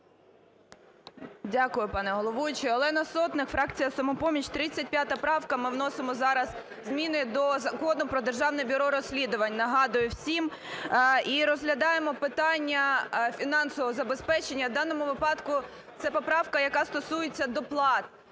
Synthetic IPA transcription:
dʲakʊjʊpɑnɛɦɔlˠɔʋut͡ʃɪɔlˠɛnɐsɔt̪nɪkfɾɑkt͡sʲijɐsɐmɔpɔmʲit͡ʃt̪ɾɪt͡sʲɐtʲpʲjat̪ɐpɾɑwkɐmɪwn̪ɔsɪmɔzɑɾɐz | zmʲinɪd̪ɔzɐkɔnʊpɾɔd̪erʒɑwnɛbʲiɾɔɾɔsʲlʲid̪ʊʋɐnʲnɐɦɑd̪ʊjʊwsʲim | iɾɔzɦlʲɐd̪ɑjemɔpɪt̪ɑnʲːɐfʲinɑnsɔʋɔɔzɐbespɛt͡ʃenʲːɐwd̪ɑnːɔmʊʋɪpɑd̪kʊ | t̪sɛpɔpɾɑwkɐjɐkɑst̪ɔsujet͡sʲːɐd̪ɔplˠɑt̪̚

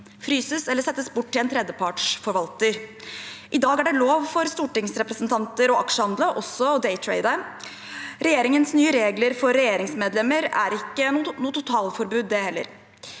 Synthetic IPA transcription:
fɾyːsəsɛlːəsɛt̪ːəsbʊʈːɪlɛnt̪ʰɾɛd̪jəpʰɑʈʂfɔɾʋɑlt̪əɾ | ʔɪd̪ɑːɡæɖɛloːʋfɔɾst̪uːʈɪŋsɾɛpɾəsnt̪ʰɑnt̪əɾɔɑkʂəhɑnd̪ləʔɔsːɔd̪ɛɪt̪ʰɹḛɪd̪ə | ɾɛjeːɾɪŋənsnyːəɾeːɡləɾfɔɾːɛjeːɾɪŋsmeːd̪lɛmːəɾæ̰ɾɪkːənːnuːt̪ʰʊt̪ʰɑːlfɔɾbʉːd̪ːɛhɛlːə̰ɾ

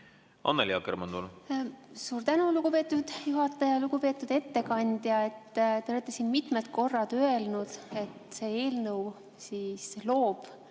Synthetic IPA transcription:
ɑ̰nːeljɑ̰kermɑnd̪̥ul | suːɾt̪ænuluɡ̥upe̞ːt̪ːud̪̥juɦɑt̪ːˑɑjɑluɡupe̞ːt̪ːˑud̪̥e̞t̪ːe̞kɑnʲd̪̥jɑe̞t̪ːt̪e̞olet̪ˑːesiːnmit̪melt̪̚ko̞rːɑd̪̥øe̞lnud̪̥e̞t̪se̞ːe̞ːlnɤw | siːslo̞ːb̥

